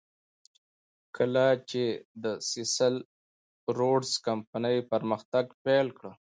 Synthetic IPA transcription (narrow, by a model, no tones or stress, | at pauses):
kʰəlat͡ʃed̪əsɪsəl | ɾoɖskampanəjpəɾməxt̪aɡpelkɽə